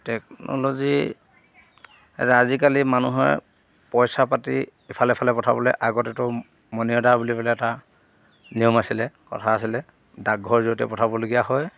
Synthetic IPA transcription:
tɛk̚nɔ̰lozi | ɛ̰taazikalimanuɦɔɹ | pɔjsapati | ipʰalɛpʰalɛpɔtʰabɔlɛʔaɡɔtɛtʊ | mɔniɔdabulipɛlɛːta | nijɔmasilɛkɔ̰tʰaːsilɛ | daɡʱɔɹzuɔtɛ̰pɔtʰabɔloɡijaɦɔj

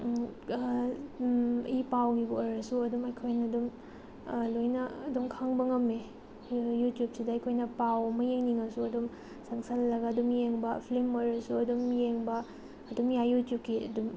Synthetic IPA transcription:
ipawɡiɡuoɾɐsuɐdumɐjkʰojnɐːdum | lojnɐːdumkʰaŋbɐŋɐme | jutjup̚sidɐɐjkʰojnɐpawɐmɐjeŋniŋɐsuɐdum | sɐŋsɐlːɐɡɐɐdumjeŋbɐpʰlimoɾɐsuɐdumjeŋbɐː | dumjajutjup̚kiɐ̰dum

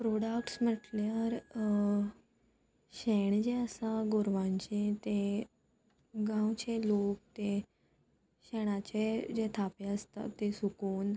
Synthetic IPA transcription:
pɾoɽakʈsm̤əʈljaɾ | ɕeɳd͡ʑeəsaɡoɾʋãɲt͡ɕẽt̪e | ɡãwt͡ɕelok̚t̪ẽ | ɕɛɽ̃at͡ɕed͡ʑet̪ʰapeəst̪a̰t̪esukuːn

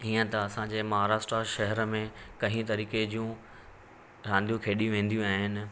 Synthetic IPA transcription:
ɦiːə̃t̪ɐɐsãd͡ʑeːmɐɦaːɾaːʃʈɾaʃɐɦɛɾəmẽkɐ̃ɦĩt̪ɐɾiːked͡ʑijũ | ɾãːnd̪ʱijũkʰeːɗijũʋẽːnd̪ijũaːɦɪnɪ̆

